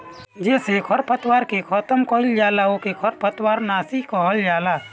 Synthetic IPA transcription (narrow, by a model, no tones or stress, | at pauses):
d͡ʒɛːsekʰəɾpət̪waːɾkekʰɔt̪əmkəɦɪld͡ʒaːlaokekʰəɾpət̪waːɾnaːsikɔɦəld͡ʒaːlaː